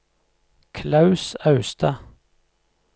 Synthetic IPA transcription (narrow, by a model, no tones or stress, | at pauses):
kʰlɑʉsɑʉst̪ʰɑ